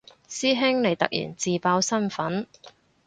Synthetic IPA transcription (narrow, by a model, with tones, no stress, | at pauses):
siː˥ɦɪ˥ŋle˨˩jt̪ɐ̰˨k̚jḭː˨˩nt͡siː˨paː˧wsɐ˥nfɐ˨˥n